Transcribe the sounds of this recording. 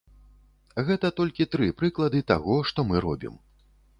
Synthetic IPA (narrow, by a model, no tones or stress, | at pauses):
ɣɛt̪ɐt̪ɔlʲkʲit̪ɾɨpɾɨklˠɐd̪ɨt̪aɣɔʂt̪ɔmɨɾɔ̰bʲḭm